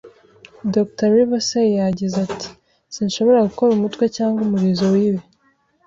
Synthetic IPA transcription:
doktoɾiβasejjaɟizatʰi̥ | sinʃo̞βo̞ɾaɡuko̞ɾumutkwe̞caːŋɡumuɾizowiwe

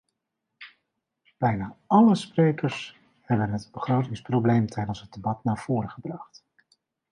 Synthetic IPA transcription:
b̥ɛjnaːɑləsprejkəɹs | hɛbənɦətbəχrowtɪŋsprowblejmtʰɛjdənsɦəd̚debɑtnaːɹv̥ʊːɾəχəbrɑχt

